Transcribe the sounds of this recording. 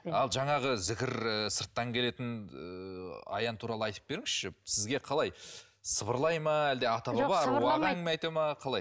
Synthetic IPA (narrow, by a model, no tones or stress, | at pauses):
ɑlˠʒɑɴɑʁəzɪkʲɪɾəsəɾt̪ːɑŋkʲʰele̞t̪ɪnəɑ̰jɑnt̪ʰuɾɑlˠəɑjt̪ə̥p̚be̞ɾɪŋɪzʃɪsɪzɡʲe̞qʰɑlˠɑj | səbəɾlˠɑjmɑæld̪e̞ɑt̪ɑbɑbɑɾuɑʁæŋmeɑjt̪ɑmɑqʰɑlˠɑj